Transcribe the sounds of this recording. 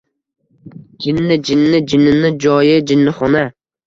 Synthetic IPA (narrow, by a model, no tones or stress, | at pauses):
d͡ʒɪnːɪd͡ʒɪnːɪd͡ʒɪnːɪnɪd͡ʒɒjɪd͡ʒɪnːɪχɒna